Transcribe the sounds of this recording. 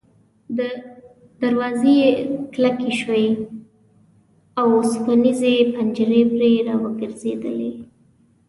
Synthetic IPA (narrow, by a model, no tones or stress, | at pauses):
d̪ə | d̪aɾwɑzeklakiʃwaj | awspanizepand͡ʒəɾebɾeɾɑwəɡəɾzed̪əle